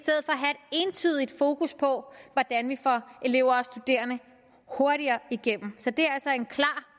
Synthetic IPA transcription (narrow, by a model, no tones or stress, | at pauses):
sd̥eð̰̩ˠfɒ̽ɒɦæe̝d̥e̝nt͡sʰy̰ːðˠid̥fo̝ːkʰuspʰɒ̽ʋɒd̥ænʋifɒ̽ʔe̝le̝ʊ̰ɐɒsd̥ud̥e̝̰ːɐnə | ho̝ɐɾiɐːiɡ̥em̰m̩sɒ̽d̥e̝æɐælsɒe̝nkʰlɑ̈ː